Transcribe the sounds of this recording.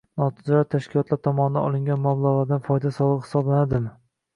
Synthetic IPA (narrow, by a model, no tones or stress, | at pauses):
nɒt̪ʰɪzlaɾt̪ʰaʃkʲʰɪlˠɒt̪laɾt̪ʰɒmɒnɪd̪a̰ɒ̰lˠɪŋɡʲanmablˠaʁlˠaɾd̪anfɒjd̪asɒlˠɨqhɪ̥sɒblanad̪ɪm